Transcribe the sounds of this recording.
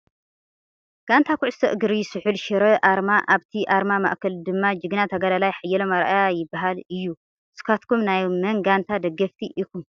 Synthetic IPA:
ɡ̥ant̪ʰakʰʊʕʊst̪ʰɐ̰ʔɨɡɨɾijɪsɨħulʃɪɾɐʔaɾmaʔaβt̪ʰiʔaɾmama̰ʔkʰɐld̪ɨmːad͡ʒɨɡɨnat̪ʰɐɡɐlalajħajːɛlomaɾʔajajɪbːaɦalɨjːu | sɨ̥kʰat̪kʰumnajmɐŋɡant̪ʰad̪ɐɡːɐft̪ʰiʔikum

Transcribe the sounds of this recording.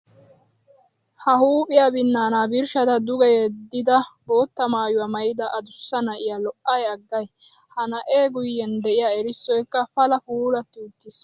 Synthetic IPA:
hɐhuːpʼɪjaːbɪnːaːnaːbɪɾʃɐt̪ɐd̪ʊɡɛjed̪ɪd̪ɐbo̞ːt̪ːɐmaːjʊwɐmɐjɪd̪ɐʔɐd̪ʊsːɐnɐʔɪjaːlɔʔɐjɐɡːɐj | hɐnɐʔeːɡʊjːɛnd̪ɛʔɪjaːɛɾɪsːɔjkːɐfɐlɐfuːlɐt̪ːuːt̪ːɪs

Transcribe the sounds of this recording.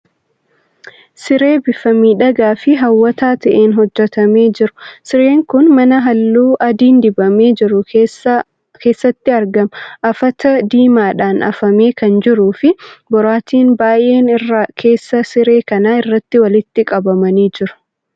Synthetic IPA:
sɪɾe̞ːbɪfɐmiːᶑɐɡaːfɪɦɐwːɐt̪aːt̪ɐʔeːnɦɔd͡ʒːɛt̪ɐme̞ːd͡ʒɪɾʊ̥sɪɾeːŋkʊnmɐnɐɦɐlːuːʔɐd̪iːnd̪ɪbɐme̞ːd͡ʒɪɾʊ | ke̞ːsːɐt̪ːɪɐɾɡɐmɐʔɐfɐt̪ɐd̪iːmaːᶑaːnʔɐ̰fɐme̞ːkɐnd͡ʒɪɾuːfɪbɔɾaːt̪iːnbaːjʔe̞ːnɪrːakʰe̞ːsːɐsɪɾe̞ːkɐnaːɪrːɐt̪ːɪwɐlɪt̪ːɪkʼɐbɐmɐniːd͡ʒɪɾʊ̥

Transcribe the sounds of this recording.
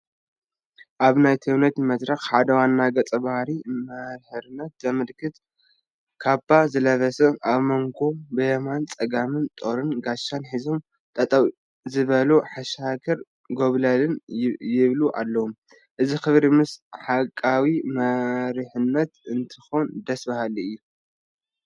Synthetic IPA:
ʔaβnajt̪ʰɐwnɐt̪mɐd̪ɾɐxħad̪ɐwanːaɡɐt͡sʼɐbahɾimɐɾħɨɾɨnːɐt̪̚zɐmɨlkʰɨt̪ | kʰabazɨlɐβɐsɨʔaβmoŋɡo̞bɨjɐmant͡sʼɐɡamɨnt̪ʼo̞ɾɨnɡaʃːanħizo̞m | t̪ʼɐt̪ʼɐw | zɨβɐluħaʃakʰɐɾ | ɡoβlalɨnjɪβluʔa̰lːɐwom | ʔɨzixɨβɾimɨsħakʼːawimɐɾħɨnːɐt̪ɨnt̪ʰɨxond̪ɐsbahaliɨjːu

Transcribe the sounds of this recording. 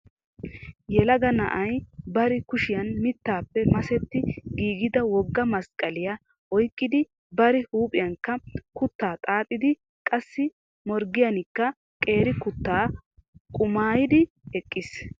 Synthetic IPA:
jɛlɐɡɐnɐ̰ʔɐjbɐɾɪkʊʃɪjɐnmɪt̪ːaːpːɛmɐsɛt̪ːɪɡiːɡɪd̪ɐwɔɡːɐmɐskʼɐlɪjɐ | ɔjkʼːɪd̪ɪ | bɐɾɪhuːpʼɪjɐŋkːɐkʊt̪ːaːt̪ʼaːt̪ʼːɪd̪ɪ | kʼɐsːɪ | mɔɾɡɪjɐnɪkːɐ | kʼe̞ːɾɪkʊt̪ːaːkʼʊmaːjɪd̪ɪɛkʼːɪs

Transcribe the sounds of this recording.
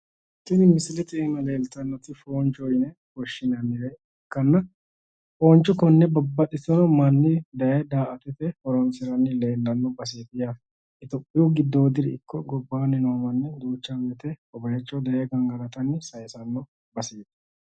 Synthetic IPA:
stːɪnɪmɪsɪlɛt̪ɛɛmɐle̞ːlt̪ɐnːɔt̪ɪfoːnt͡ʃʼɔjɪnɛ | kɔʃːɪnɐnːɪɾɛ | ɪkːɐnːɐ | foːnt͡ʃːɔkɔnːɛbɐbːɐt̪ʼːɪsɔnɐmɐnːɪd̪ɐjɛd̪aːʔɐt̪ɛt̪ɛhɔɾɔnsɪɾɐnːɪle̞ːlːɐnːɔbɐs̬eːt̪ɪja | ɪt̪ɔpʼːɪjuɡɪd̪ːoːd̪ɪɾɪɪkʰːɔɡɔbːaːnɪnoːmɐnːɛd̪uːt͡ʃːɐmɛt̪ɛɔbɐjɛt͡ʃːɔd̪ɐjɛɡɐŋɡɐɾɐt̪ɐnːɪsɐjsɐnːɔ | bɐseːt̪

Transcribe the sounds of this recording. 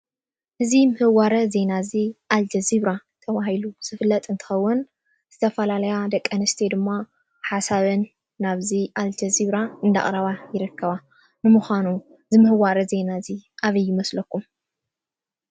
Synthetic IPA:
ʔɨzimɨhɨwaɾɐze̞naziʔald͡ʒɐziβɾat̪ʰɐβahiluz̥ɨfɨlːɐt̪ʼɨnt̪ʰɨ̥xɐwːʊn | z̥ɨt̪ʰɐfɐlalɐjad̪ɐkʼːɐnɨst̪ʰed̪ɨmːa | ħasaβɨnː | aβziʔald͡ʒɐziβɾaɨnd̪a̰χʼɾɐβajɪɾɨkːɐβa | nɨmuxʷanu | zɨmɨhɨwaɾɐze̞naziʔaβɐjːɪmɐslɐkʰːum

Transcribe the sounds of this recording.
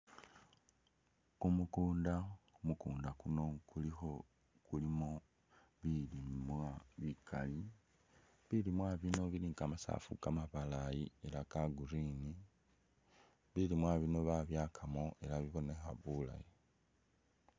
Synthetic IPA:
kumukuːndaumukuːndakuno̞kulixo̞ | kulimo̞ | βilimwaβikʰali | βilimwaβino̞βiliːŋkamasa̰fṵkamaβalajie̞lakaɡuɾini | βilimwaβino̞βaβjaːkʰamo̞ʔe̞laβiβo̞ne̞xaβula̰je

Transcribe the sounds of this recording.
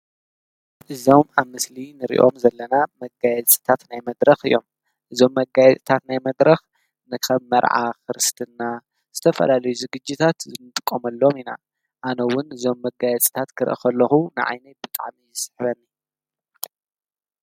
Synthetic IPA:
ʔɨzo̞maβmɨslinɨɾḭʔo̞̰mzɐlːɐnamɐɡajɛt͡sʼɨ̥t̪ʰat̪najmɐd̪ɾɐxɨ̰jːo̞̰m | ʔɨzo̞mːɐɡajɛt͡sʼit̪ʰat̪najmɐd̪ɾɐx | nɨkʰɐβːɐɾʕa̰xɨɾɨst̪ʰɨnːa | z̥ɨt̪ʰɐfɐ̰lalɐjuzɨɡɨd͡ʒːit̪ʰat̪zɨmɨt̪ʼɨkʼːomɐlːomina̰ | ʔanɐwʊnɨzo̞mːɐɡajɛt͡sʼi̥t̪ʰat̪kʰɨɾʔɨ̰xʰɐlːɐxunɨʕa̰jnɐt̪bɨt̪ʼa̰ʕmijɨsɨ̥ħβɐnːi

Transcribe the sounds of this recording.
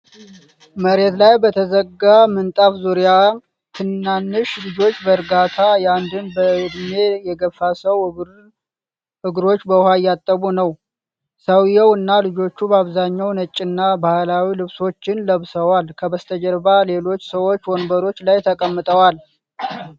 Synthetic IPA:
məɾe̞t̪lajbət̪ʰəzəɡamɨnt̪ʼafzuɾija | t̪ʰɨnːanːɨʃlɨd͡ʒo̞t͡ʃːbəɾɡat̪ʰajand̪ɨnbəd̪me̞jɛɡəfːasəw | ɨɡɾo̞t͡ʃːbəhajːat̪ʼːəβunəw | səwjɛwɨnːalɨd͡ʒo̞t͡ʃːubəaβzaɲːawnət͡ʃʼːɪnːabahlawilɨβso̞t͡ʃːɪnləβsəwalkʰəbəst̪ʰəd͡ʒəɾbale̞lo̞t͡ʃːsəwo̞t͡ʃːwonbəɾo̞t͡ʃːlajt̪ʰəkʼəmːɨt̪ʼəwal

